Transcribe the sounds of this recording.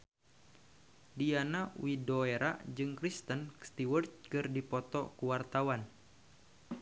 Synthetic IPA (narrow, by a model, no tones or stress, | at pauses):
dianaṵidɔeɾad͡ʒɨŋkɾist̪ənst̪iwərt̪kɨrdipɔt̪ɔkuwart̪awan